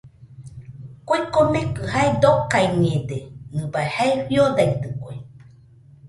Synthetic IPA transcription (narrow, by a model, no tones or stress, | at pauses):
koekomẽkɨhaed̪okaiɲẽd̪enɨbaehaeɸiod̪ait̪ɨkʷe